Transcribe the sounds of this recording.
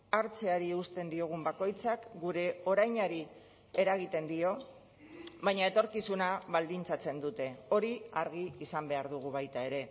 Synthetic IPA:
aɾt͡se̞aɾiust̪e̞nd̪io̞ɣ̞umbako̞jt͡sakɡuɾe̞o̞ɾajɲaɾi | e̞ɾaɣ̞it̪e̞nd̪io̞ | βajɲae̞t̪o̞ɾkisunaβald̪int͡sat͡se̞nd̪ut̪e̞o̞ɾiaɾɣ̞iːsambe̞aɾðuɣ̞uβ̞ajt̪ae̞ɾe̞

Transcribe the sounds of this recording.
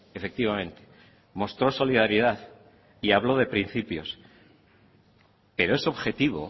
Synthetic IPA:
e̞fe̞k̚t̪iβamẽ̞nt̪e̥ | mo̞st̪ɾo̞so̞liðaɾiðaθ | iaβlo̞ðe̞pɾin̟θipjo̞s | pe̞ɾo̞e̞so̞βxe̞t̪iβo̞̰

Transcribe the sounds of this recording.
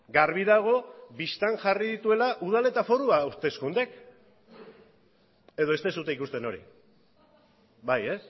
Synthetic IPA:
ɡaɾβiðaɣ̞o̞βist̪aŋʝariðit̪ue̞laʔuð̞ale̞t̪afo̞ɾuawɾt̪e̞skund̪e̞k | e̞ðo̞est̪esut̪eikust̪e̞no̞ɾḭ | baje̞s

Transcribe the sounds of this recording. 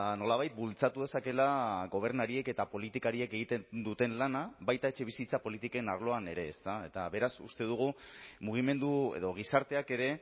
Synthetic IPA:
no̞laβajt̪̚bult͡sat̪uðe̞sake̞laɣo̞β̞e̞ɾnaɾie̞ke̞t̪apo̞lit̪ikaɾie̞ke̞ɣ̞it̪ed̪ut̪e̞nlanaβajt̪ae̞t͡ʃe̞β̞isit͡sapo̞lit̪ike̞naɾlo̞ane̞ɾe̞ːst̪ae̞t̪aβe̞ɾasṵst̪e̞ð̞uɣ̞umuɣ̞ime̞nd̪ue̞̰ðo̞ɣ̞isaɾt̪e̞ake̞ɾe̞

